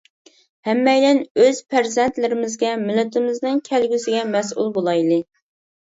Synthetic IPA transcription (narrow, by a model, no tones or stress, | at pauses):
hɛmːɛjlɛnøz̥pʰæɾzɛnt̪lɪɾɪmɪzɡʲɛmɪlːɪt̪ʰɪmɪznɨŋkʲʰælɡʲysɪɡʲɛmɛsṵlˠbolˠɑjlˠɨ